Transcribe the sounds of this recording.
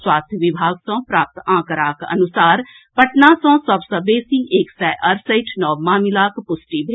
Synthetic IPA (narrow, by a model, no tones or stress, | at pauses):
swaːst̪ʰjʋɪbʱaːɡsɔ̃pɾaːp̚t̪ãːkəɾaːkɐ̰nʊsaːɾ | pɐʈnasɔ̃ːsɐbsəbeːsiʔeːksɛʔəɾsəɪʈʰnɔːʋmaːmɪlaːkpʊsʈibʱe